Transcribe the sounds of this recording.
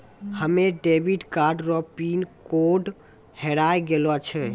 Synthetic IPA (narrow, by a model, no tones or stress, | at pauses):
həmeɖebiɖkaɾɖɾɔpinkoɖ | heɾajɡelat͡ʃʰɛ